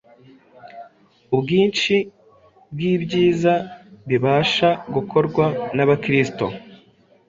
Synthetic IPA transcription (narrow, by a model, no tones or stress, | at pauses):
ubɡiːnt͡ʃi | bɡiːbɟiːzaβiβaːʃaɡukʰo̞ɾɡwanaβakɾisto̞̰